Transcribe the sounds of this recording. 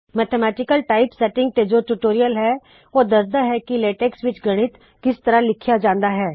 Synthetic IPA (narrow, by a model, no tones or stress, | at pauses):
mɛːt̪ʰemɛːʈɪkəlʈaːɪpsɛʈɪ̃ŋɡ̚t̪ed͡ʒoːʈuːʈoːɾijəlɦɛ | oːd̪ɐsd̪aɦɛkileːʈɛːksʋɪt͡ʃɡɐɽ̃ɪt̪ | kɪst̪ɐɾalɪkʰijad͡ʒãːnd̪aɦɛː